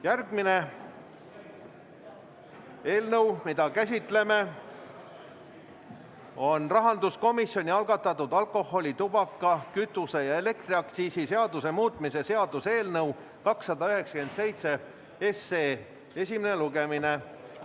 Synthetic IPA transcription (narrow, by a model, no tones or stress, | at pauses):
jærɡ̚mine̞ | e̞ːlnɤwmid̪̥ɑkæs̬ʲit̪ˑle̞me̞ | o̞nrɑɦɑnd̪̥usko̞misːjo̞nʲiɑlɡ̥ɑt̪ːˑɑt̪ːˑud̪ɑlko̞ho̞lʲit̪ubɑkːˑɑkyt̪ːˑuse̞jɑe̞le̞k̚t̪riɑkt̪siːsise̞ɑd̪use̞muːt̪ːˑmise̞se̞ɑd̪̥use̞ːlnɤw | kɑksːɑd̪ɑyɦe̞ksɑke̞nd̪se̞jt̪se̞ | esːeː | e̞sʲimeneluɡemine̞